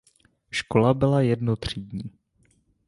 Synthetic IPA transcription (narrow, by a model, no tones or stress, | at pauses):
ʃkolabɪlajɛdnot̪r̝̥iːdɲiː